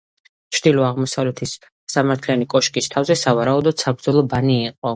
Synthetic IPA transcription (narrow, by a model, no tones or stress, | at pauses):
t͡ʃʰɾd̪ilɔaʁmɔsavlɛt̪ʰisː | amaɾt̪ʰlianikʼɔʃkʼist̪ʰavzɛsavaɾaud̪ɔd̪̥sabɾd̪zɔlˠɔbaniːqʼɔ